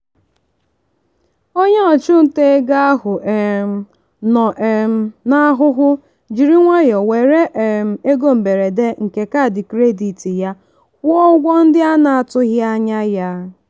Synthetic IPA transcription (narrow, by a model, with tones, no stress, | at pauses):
o˦ɲe˦ɔ˨t͡ʃʊ˦n̩˨te˦e˦ɡa˦a˦ɦʊ˨ʔm˨ | nɔ˨ʔm̩˦na˦ɦʊ˦ɦʊ˦ | d͡ʒi˨ɾi˦ŋʷa˦jɔ˨we˨ɾe˦ʔm̩˨e˦ɡo˦m̩˨be˨ɾe˨de˦ŋ̩˨ke˨ka˦˨dɪ˨kɾe˦di˨ti˨ja˦ | kʷɔ˦ɡʷɔ˦n̩˦dɪ˦a˦na˨a˨tʊ˦ɣja˦ɲa˦ja˦